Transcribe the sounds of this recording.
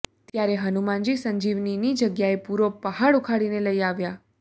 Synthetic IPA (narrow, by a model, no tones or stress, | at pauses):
t̪jaɾeɦənumãnd͡ʒisəɲd͡ʒiʋninid͡ʒəɡjaepuɾopəɦaɽukʰaɽineləiaʋja